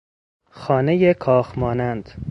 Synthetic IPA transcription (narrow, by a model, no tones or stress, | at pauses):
xɒːnejekʰɒːxmɒːnænd̪̥